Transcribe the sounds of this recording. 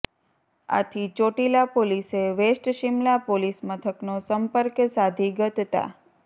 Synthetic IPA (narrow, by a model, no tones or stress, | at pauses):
a̰t̪ʰit͡ʃoʈilapoliseʋesʈʃimlapolismət̪ʰəknosəmpəɾksad̪ʱiɡət̪t̪a̰